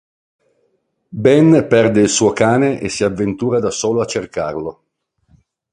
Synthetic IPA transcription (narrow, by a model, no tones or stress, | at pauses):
bɛnpɛrd̪eilsuːokaːneʔḛsːiavːent̪uːɾad̪asoːloat͡ʃːerka̰rlo